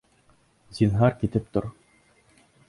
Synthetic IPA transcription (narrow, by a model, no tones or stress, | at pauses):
z̥ʲinɦɑɾkit̪ɘp̚t̪oɾ